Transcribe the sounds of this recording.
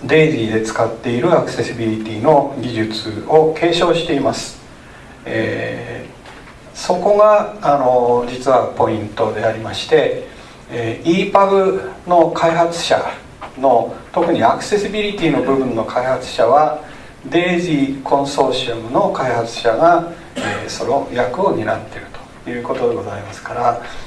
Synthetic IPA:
d̪e̞ːʑid̪e̞t͡sɨ̥kat̪ːe̞iɾɯ̟akɯ̟̥se̞sibʲiɾʲit̪ʲiːno̞ɡʲiʑɨt͡sɨo̞kʰe̞ːɕo̞ːɕi̥t̪e̞imasɨ̥ | ḛ | so̞ko̞ɡaːno̞d͡ʑit͡sɨβapo̞ĩnt̪o̞d̪e̞aɾʲimaɕi̥t̪e̞ | iːpaɡɯ̟no̞kʰaiɦat͡sɨ̥ɕa̰ | no̞t̪o̞kɯ̟ɲ̟iakɯ̟̥se̞sɨbʲiɾʲit̪ʲiːno̞bɯ̟bɯ̟̃nːo̞kʰaihat͡sɨ̥ɕaβa | d̪e̞ːʑikʰõ̞ɰ̃so̞ːɕiomɯ̟no̞kaihat͡sɨ̥ɕaɡa | eːso̞nojakɯ̟o̞ɲ̟iɾa̰t̪ːe̞ɾɯ̟t̪o̥ | jɯ̟ːko̞t̪o̞d̪eɡo̞zaimasɨ̥kaɾa

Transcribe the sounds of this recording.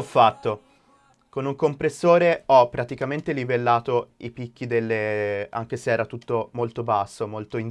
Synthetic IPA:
ɔfːat̪ːo | konuŋkompɾesːoːɾeɔpːɾat̪ikament̪elivelːaːt̪oipikːid̪elːea̰ŋk̟eseɛːɾat̪ut̪ːomolt̪obasːomolt̪oin

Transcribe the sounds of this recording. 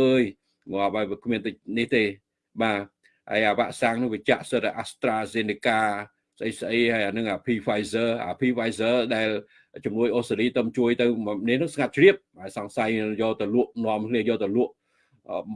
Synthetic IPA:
ʔəːj | ŋŏəɓaɔkʰmiənt̪ɨniht̪eː | ɓaː | ha̰əjʔaːʋaːʔsaːŋnɨ̆ŋʋit͡ɕaʔsəɾaʔast̪raːzeːnikaː | səʔəjsʔəjhajanɨŋʔaːpʰiːfajzəːʔa̰ːpʰiːfajsəːɗaɛl | t͡ɕumnuəjʔohsaliːt̪əmt͡ɕuəjt̪ɨwmnihnɨŋsŋat̪̚t͡ɕriəp̚ajsɑŋsajjɔːt̪ɨwluəʔnŏəmkʰliəjɔːt̪ɨwluəʔ

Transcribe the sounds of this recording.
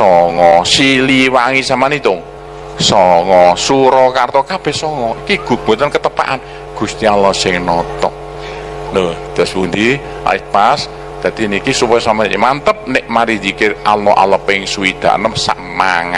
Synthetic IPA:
sɔŋɔsiliwaŋisamanit̪ʊŋ | sɔŋɔsuɾɔkart̪ɔkab̥ɛ̤hsɔŋɔikiɡ̥ṳɡ̥o̤t̪ənkət̪əpa̰ʔan | ɡ̥ṳst̪ialɔsɪŋnɔt̪ɔʔ̚ | nod̪̥ɔspund̪i | a̰ipas | d̪̥a̤d̪̥inikisupɔjɔsamamant̪əp̚nɪʔmaɾid̪ikɪʔalɔʔa̰ləpɪŋsuid̪̥a̤̰ʔnəmsa̰ʔmaŋa

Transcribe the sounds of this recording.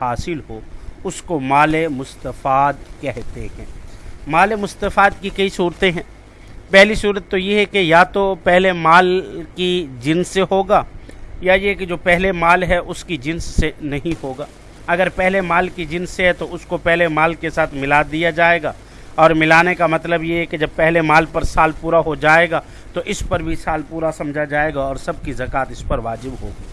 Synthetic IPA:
haːsɪlɦoʊskomaːlemʊst̪əfaːd̪kɛɦt̪eɦɛ̰̃ːmaːlemʊst̪əfaːd̪̚kikɐisuːɾt̪eɦɛ̃ː | pɛɦlisuːɾət̪ːojeɦɛkejat̪opɛɦlemaːlkid͡ʒɪnsːeɦoːɡaːjajeked͡ʒoːpɛɦlemaːlɦɛʔʊskid͡ʒɪnsːenɐɦĩhoːɡaː | ɐɡəɾpɛɦlemaːlkid͡ʒɪnsːeɦɛt̪oʊskopɛɦlemaːlkesaːt̪ʰmɪlaːd̪ijad͡ʒaːeːɡaː | ɔːɾmɪlaːnekamɐt̪ləbjeɦɛked͡ʒɐb̚pɛɦlemaːlpɐɾsaːlpuːɾaɦod͡ʒaːeːɡaː | t̪oʔɪspɐɾbʱisaːlpuːɾasɐ̃md͡ʒʱad͡ʒaːeːɡaɔːɾsɐb̚kizɐkaːt̪ɪspɐɾʋaːd͡ʒɪbɦo̰ːɡiː

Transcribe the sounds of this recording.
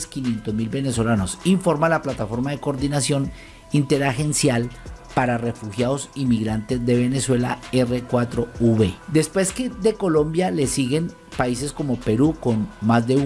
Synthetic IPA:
skinje̞nt̪ozmilbe̞neso̞lano̞siɱfo̞ɾmalaplat̪afo̞ɾmaðe̞ko̞ːɾðinasjo̞n | int̪e̞ɾaxe̞nsjalpaɾare̞fuxjaðo̞simiɣɾant̪e̞zd̪e̞βe̞ne̞swe̞laerekwat̪ɾo̞uβed̪e̞spwe̞ske̞ðe̞ko̞lõ̞mbjale̞siɣe̞n | paise̞sko̞mo̞pe̞ɾuko̞nmazd̪e̞

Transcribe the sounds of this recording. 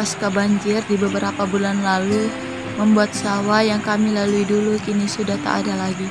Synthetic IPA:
askabaɲd͡ʒɪrdibəbəɾapabulanlalu | məmbuat̪̚sawajaŋkamilaluidulukinisudaht̪a̰ʔa̰dalaɡi

